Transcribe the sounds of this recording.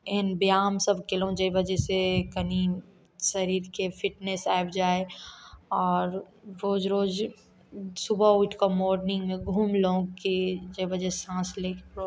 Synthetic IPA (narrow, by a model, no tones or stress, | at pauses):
enbjaːmsɐbkelõd͡ʒebɐd͡ʒɛsekɐni | sɐɾiːɾkefʰɪʈnesaːbd͡ʒaːe | ɔːɾ | ɾoːd͡ʒɾoːd͡ʒ | sʊbaʊʈʰkamɔːɾnɪ̃ŋɡmẽɡʱuːmlõːɡkid͡ʒeʋɐd͡ʒɛãːsleːkː